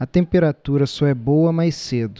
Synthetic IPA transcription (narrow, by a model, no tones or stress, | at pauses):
ɐt̪ẽmpeɾat̪uɾɐsɔɛbowɐmajsed̪ʊ